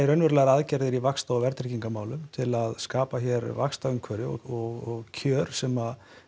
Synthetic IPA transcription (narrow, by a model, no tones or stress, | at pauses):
ɾœjnvɛɾlaɾaðcɛɾðɪɾivakst̪avɛɾt̪ɾɛciŋkamaːwlʏmt̪ʰɪlaðskaːpaçɛɾvakst̪aʏŋkʰvœɾɪɔ̰ɣɔɣɔɣcʰœːɾ̥sɛma